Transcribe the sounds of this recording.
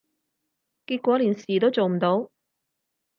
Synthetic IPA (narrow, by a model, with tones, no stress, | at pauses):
kiː˧t̚kʷɔː˨˥liː˨˩nsiː˨˩t̪o˥wt͡so˨wm̩˨˩t̪o˨˥w